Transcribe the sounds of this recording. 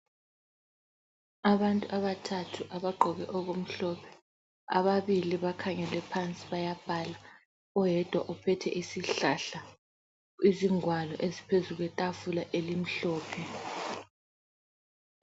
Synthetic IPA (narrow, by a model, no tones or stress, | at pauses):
aβantʼuʔaβatʰatʰuʔaβaɡ͡ǃʱɔɣɛʔɔɣom̩ɬɔpʰɛ̥ | a̰βaβiliβakʰaŋɛlɛpʰant͡sʼiβajab̥ʱala | ɔjɛd̥ʱwaʔupʰɛtʰɛ̰ʔisiɬaɬa | iziŋwalɔʔezipʰezuɣwɛtʼafulaʔelim̩ɬɔːpʰɛ